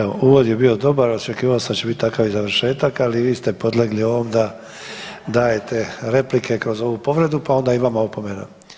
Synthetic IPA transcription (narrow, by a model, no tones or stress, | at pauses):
eo̰ʔuːʋo̞d̪je̞bio̞d̪o̞baɾot͡ʃekiːʋaosad̪at͡ɕt͡ʃebit̪̚ʲt̪akaʋizaʋɾ̩ʃe̞ːt̪akaliʋiːst̪e̞po̞d̪lˠeɡlio̞ʋo̞md̪a | d̪aːje̞t̪ʰe̞ɾe̞plikʰe̞kɾo̞zo̞ʋupo̞ʋɾe̞d̪upao̞nd̪aiʋamaopomena̰